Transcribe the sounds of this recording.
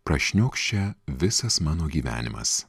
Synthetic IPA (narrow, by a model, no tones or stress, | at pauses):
pɾɐʃʲnʲoːkʃʲt͡ʃʲɛʋʲɪsɐsmɑːnoːɡʲiːʋʲæ̰ːnʲɪ̰mɐ̰s